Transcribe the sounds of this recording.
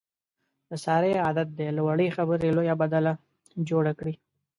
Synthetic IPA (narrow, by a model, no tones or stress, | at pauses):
d̪̥əsɑɾeɑd̪at̪̚d̪elawaɽəjxabəɾelojabad̪ala | d͡ʒoɽakɽi